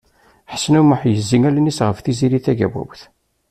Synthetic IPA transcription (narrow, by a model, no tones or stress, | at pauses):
ħəsnuməħjəzːiŋælnisʁəfθiziɾiθæɡæ̰wæ̰wθ